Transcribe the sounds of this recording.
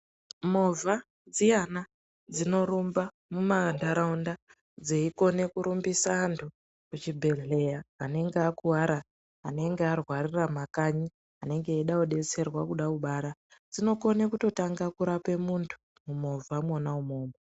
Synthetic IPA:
mo̞vʱa | d͡zijana | d͡zino̞ɾumba | mumandaɾaunda | d͡zeiko̞ne̞kuɾumbisaːntʰu | kut͡ʃibʱe̞ɮe̞jaːne̞ŋɡeakuwaɾa | ane̞ŋɡearwariramakaɲi | ane̞ŋɡe̞ːɗauɗe̞t͡se̞rwakuɗakuɓaɾad͡zino̞ko̞nekuto̞taŋɡakuɾape̞muntʰu̥ | mumo̞vʱamonaumo̞ːmbo

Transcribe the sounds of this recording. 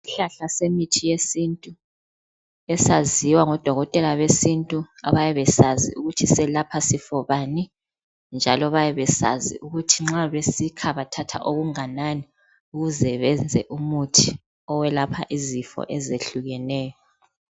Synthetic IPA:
iɬaɬasemitʰijesintʼu | ɛsaziwaŋɔd̥ʱɔɣɔtʼɛlaβesintʼua̰βajɛβɛsazḭuɣutʰisɛlapʰasifɔβani | nd͡ʒʱalɔβajɛβɛsa̰zḭʔuɣutʰiŋ͡ǁaβesikʰaβatʰatʰa̰ʔoɣuŋanani | uɣuzɛβɛnd͡zʱɛ̰ʔumutʰi | ɔwɛlapʰa̰ʔizifɔ̰ʔɛzeɬuɣɛnɛːjɔ

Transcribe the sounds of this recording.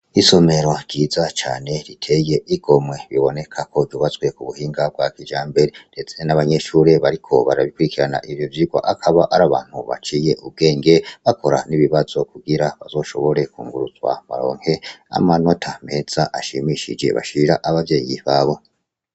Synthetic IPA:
iso̞me̞ɾo̞ɾɟiːzat͡ʃa̰ːne̞ɾitʰe̞je̞ʔiɡo̞mwe̞βiβo̞ne̞kʰako̞vjuβazwe̞kuβuhiːŋɡab̚ɡwakid͡ʒaːmbe̞ɾeɾe̞t͡senaβaɲe̞ʃuɾe̞βaɾikʰo̞βaɾaβikuɾikiɾana̰ʔivjovjiɡwa̰ʔakʰaβaʔaɾaβaːn̥huβa̰t͡ʃije̞ʔub̚ɡe̞ːŋɡe̞βako̞ɾa̰niβiβazo̞kuɡiɾaβazo̞ːʃo̞̰βo̞ɾe̞kuːŋɡuɾuzwa̰ma̰ɾo̞̰ːŋ̥he̞a̰mano̞tʰame̞z̥aʔaʃimiʃid͡ʒe̞̰βa̰ʃiɾaʔaβavje̞ːjḭβaːβo̞

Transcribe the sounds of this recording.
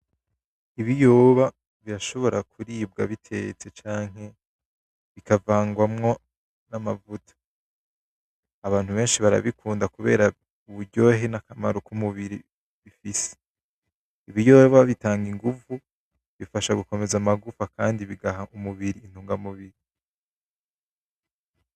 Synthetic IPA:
iβijoːβa | βiɾaʃo̞βo̞ɾakʰuɾiːb̚ɡaβitʰe̞̰t͡se̞t͡ʃaːŋ̥ɦe̞ | βikavaːŋɡwamŋo̞ | namavutḁ | aβaːn̥huβe̞ːnʃiβaɾa̰βikʰuːndakuβe̞̰ːɾa | uβuɾɟo̞ːɦenakamaɾokumuβiɾi | βifise̥ | iβijoβaβitaːŋɡiŋɡuvu | βifaʃaɡuko̞me̞zamaɡufakaːndiβiɡaɦaʔumuβiɾiːn̥uːŋɡamuβiɾi

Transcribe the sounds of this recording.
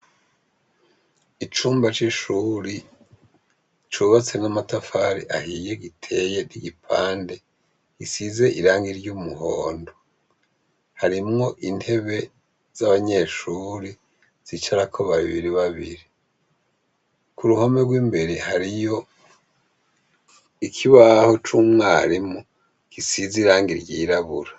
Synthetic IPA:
it͡ʃuːmbat͡ʃiʃuɾi | t͡ʃuβat͡se̞namatafaɾiʔahije̞ɡitʰe̞je̞niɡipʰaːnde̞ | isize̞ʔiɾaːŋɡiɾɟumuhoːndo | haɾimŋo̞ʔinhe̞βe̞ | z̥aβaɲe̞ʃuːɾi | z̥it͡ʃaɾakʰoβaβiβiɾiβaβḭɾi | kuɾuhomeɡwiːmbe̞ɾehaɾijo̞ | ikʰiβaho̞t͡ʃumŋaːɾimu | kisiziɾaːŋɡiɾɟiːɾaβuɾa

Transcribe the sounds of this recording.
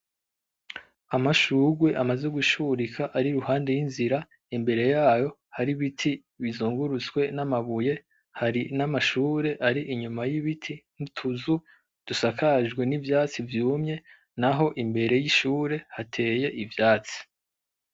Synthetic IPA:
amaʃuɡwe̞ʔamaze̞ɡuʃuɾikʰaʔaɾiɾuhaːnde̞jinziɾa | imbe̞ɾe̞jaːjo̞haɾiβitʰi | βizuːŋɡuɾut͡skwe̞namaβuje̞ | haɾinamaʃuːɾe̞ʔaɾiʔiɲumajiβitʰimutʰuzu | d̥usakʰaʒɡwe̞nivjaːt͡sivjuːmɲe̞ | naɦo̞ʔimbe̞ɾe̞jiʃuːɾe̞hatʰe̞ːje̞ʔivjaːt͡si̥

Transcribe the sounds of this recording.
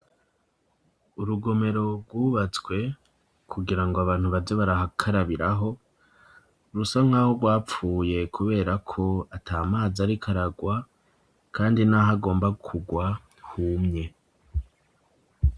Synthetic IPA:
uɾuɡo̞me̞ɾo̞bɡwuːβat͡sɡwe̞ | kʰuɡiɾaŋɡoaβaːn̥huβavjoβaɾahakʰaɾaβiɾaɦo̞ | ɾusaŋ̥haːho̞ɡwaːp͡fuːje̞kʰuβe̞ːɾakʰo̞atʰaːmaːzaɾikʰaɾaɡwa | kʰaːndinaɦaɡo̞ːmbaɡkʰuɡwa | humɲe̞

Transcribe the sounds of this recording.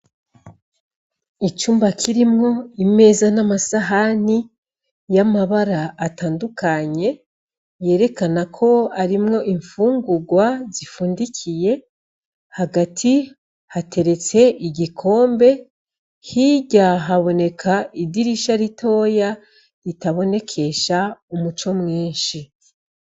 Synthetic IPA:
it͡ʃuːmbakʰiɾimŋo̞ime̞ːzanamasaɦani | jamaβaɾaːtaːndukaɲe̞ | je̞ːɾe̞kanakʰo̞aɾimŋo̞ʔiɱfuːŋɡuɡwazifuːndicʰije̞ | haɡatʰi | hate̞ɾe̞t͡se̞ʔiɟikʰo̞ːmbe̞ | hiɟaɦaβo̞ne̞kʰaidiɾiʃaɾitʰo̞ːja | ɾitaβo̞ne̞kʰe̞ʃaumut͡ʃo̞mŋiːnʃi

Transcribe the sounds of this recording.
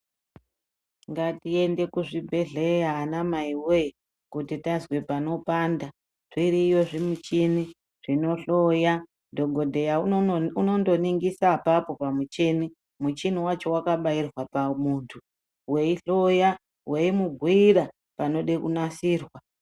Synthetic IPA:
ŋɡatie̞nde̞kuʐibʱe̞ɮejaːnamaiwe | kutitazwepano̞paːnda | ʐ̥iɾiːjo̞ʐimut͡ʃini | ʐ̥ino̞ɬo̞ja | do̞ɡʱo̞dʱe̞jaunondo̞niŋɡisapapo̞pamut͡ʃeni | mut͡ʃiniwat͡ʃo̞wakaɓairwapamuːntʰu | we̞iɬo̞ja | wʔe̞imubʱwiiɾa | pano̞ɗe̞kunasiːrwa

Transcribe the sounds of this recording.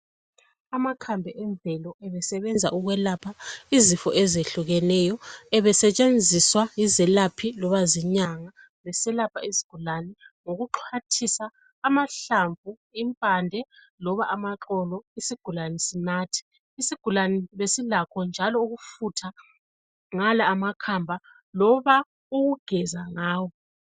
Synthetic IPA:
amakʰambʱɛʔɛɱbvɛlɔʔɛβɛsɛβɛnd͡zʱa̰ʔuɣwɛlapʰaizifɔ̰ʔɛzeɬuɣɛnɛjɔɛβɛsɛt͡ʃʼend͡zʱiswajizɛlapʰilɔβaziɲaŋa | βɛsɛlapʰaizi̥ɡ̥ʱulanɛŋoɣuǃʰatʰisaː | maɬaɱvʱu | impʼandʱɛ | lɔβaʔamaǁɔlɔisiɡ̥ʱulanɛsinatʰi̥ː | siɡ̥ʱulanɛβesilakʰɔnd͡ʒʱalɔuɣufutʰa | ŋalaːmakʰambʱa | lɔβa | uɣuɡ̥ʱɛzaŋaːwɔ

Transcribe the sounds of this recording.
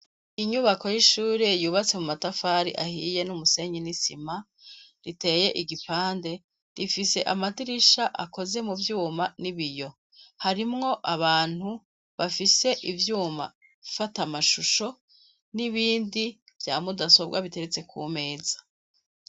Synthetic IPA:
iɲuβako̞jiʃuːɾe̞juːβat͡se̞mumatafaːɾḭʔa̰hiːje̞numuse̞ːɲinisima | ɾite̞ːje̞ʔiɡipaːnde̞ | ɾifise̞ʔamatiɾiʃaʔa̰ko̞ze̞muvjuːmaniβijo̞ | haɾimŋo̞ʔaβaːn̥hu | βafise̞ʔivjuːma̰ | ifatamaʃuʃo̞ | niβiːndi | v̥jaːmudaso̞bɡwa̰βite̞ɾet͡se̞kʰume̞ːzḁ

